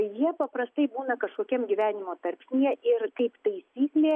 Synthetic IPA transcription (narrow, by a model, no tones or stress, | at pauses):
jiɛpɐpɾɐst̪ɐɪbuːnɐkɐʃkoːkʲiɛmɡʲiʋʲæːnʲɪmoːt̪ɐɾʲpʲsʲnʲiɛɪrkɐɪpt̪ɐɪsʲiːklʲeː